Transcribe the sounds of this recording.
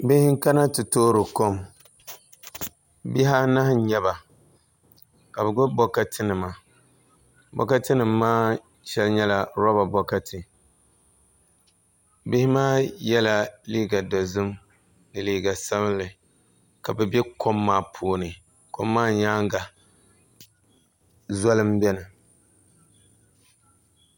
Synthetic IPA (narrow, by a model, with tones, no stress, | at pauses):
bɪ˦hɪ˦ŋ˦ka˦na˦tɨ˨toː˦ɾɨ˨ko˦m | bi˦ɦa˦na˦hɲɛ˦ba˨ | ka˨bɛ˨ɡʊ˦bɔ˦ka˦tʰɪ˦nɨ˨ma˨ | bɔ̰˨ka˦tɨ˦nɨ˨mːaː˦ | ʃɛ˦lɲɛ˦la˨ɾɔ˦ba˨bɔ˦ka˦tʰɨ˨ | bɪ˦hɪ˦maː˦jɛ˦la˦liː˦ɡa˨da˨zʊ˦m | nɨ˨liː˦ɡa˨sa˦βɨ˦lɨ˨ | ka˨bɛ˨bɛ˦kʰo˦mːaː˦pʰoː˨˦nɨ˨ | ko˦mːaː˦ɲaː˦ŋ˦ɡa˨ | zɔ˦lɨ˦mbɛ˦nɨ˨